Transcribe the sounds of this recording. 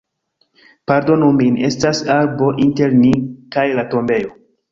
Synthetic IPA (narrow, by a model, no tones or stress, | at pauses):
paɾdo̞numine̞stasaɾbo̞ʔinte̞ɾnikajlato̞mbe̞jo̞